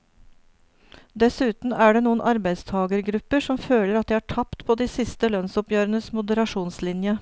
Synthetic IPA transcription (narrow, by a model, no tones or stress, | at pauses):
d̪ɛsʉːt̪n̩æːɖeːnuːənʔɑɾbæɪd̪st̪ʰɑːɡəɾɡɾʉpːəʂɔmføːləɾɑt̪̚d̪iːæːʈʰɑpt̪pʰoːd̪iːsɪst̪əlœnsɔpjøːɾənəsmʊd̪əɾɑʂuːnslɪnjə